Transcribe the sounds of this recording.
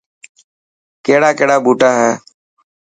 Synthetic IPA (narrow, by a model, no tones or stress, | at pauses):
keːɽaːkeːɽaːɓuːʈaːɦɛː